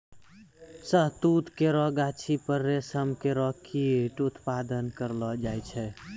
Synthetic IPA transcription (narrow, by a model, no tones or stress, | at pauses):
səɦt̪ut̪keɾɔɡat͡ʃʰipəɾːesəmkeɾɔkʰieʈut̪pad̪ənkəɾlɔd͡ʒajt͡ʃʰɛ